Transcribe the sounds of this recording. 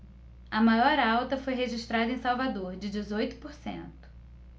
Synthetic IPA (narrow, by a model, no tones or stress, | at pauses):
ɐmajɔɾawt̪ɐfojɦeʒiʃt̪ɾad̪ɐẽj̃sawvad̪oɾd͡ʒɪd͡ʒɪzojt̪ʊ̥poɾsḛ̃nt̪ʊ̥